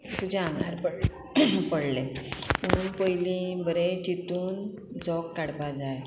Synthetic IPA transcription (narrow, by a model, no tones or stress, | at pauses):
t̪ud͡ʑaŋaɾpəɽ | pəɽleməɽ̃uːnpəjlĩbəɾet͡ɕit̪uːn | d͡zɔkːaɽpad͡zaj